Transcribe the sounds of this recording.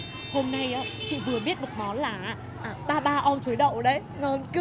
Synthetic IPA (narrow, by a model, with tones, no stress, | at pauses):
ho˧mna˧jʔaː˨˦t͡ɕḭ˧˨vɨ˨˩əɓi˦˥ət̚mo˨˩t̚mɔ˨˦nlaː˨˩ʔa˨˦ | ʔaː˨˩ɓaː˧ɓaː˧ʔɔ˧nt͡ɕu˨˦jɗə̰˧˨wɗə˨˦j | ŋɔ˨˩nkɨ˧˦